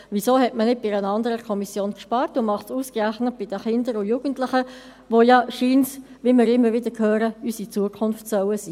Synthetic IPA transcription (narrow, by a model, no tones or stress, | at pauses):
ʋisoːhɛtmənɪd̚b̥ɪɾənɑndəɾəkʰɔmisjoːnkʃpɑːɾtʊmɑχtsuːskræχnət̚b̥ɪd̥əχɪndəɾʊjuɡ̥ən̩tlɪχə | ʋojɑʃiːns | ʋimɪːɾɪmːəɾʋɪdəkʰhøːɾəysit͡suəkʰʊnftsœwəsiː